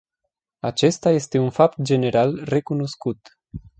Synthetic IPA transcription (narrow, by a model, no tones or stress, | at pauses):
at͡ʃe̞st̪aje̞st̪e̞unfap̚t̪̚d͡ʒe̞ne̞ɾalre̞kuno̞skut̪